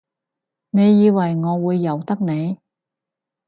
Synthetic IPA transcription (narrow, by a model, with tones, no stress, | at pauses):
ne˨˧jːiː˨˧wɐ˨˩jŋɔː˨˧wuː˨˧jːɐ˨˩wt̪ɐ˥k̚ne˨˧j